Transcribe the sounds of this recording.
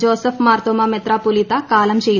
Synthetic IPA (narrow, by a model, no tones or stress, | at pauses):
d͡ʒoːsəfʰmaɾt̪omamet̪ɾapulit̪akaːlɐmɕej